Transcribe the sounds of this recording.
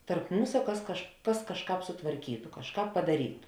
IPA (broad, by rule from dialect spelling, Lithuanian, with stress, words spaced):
tɐrp ˈmuːsɐ ˈkɐs kɐʃ ˈkɐs kɐʃˈkɑːp sʊtʋɐrʲˈkʲiːtʊ kɐʃˈkɑːp pɐdɐˈrʲiːtʊ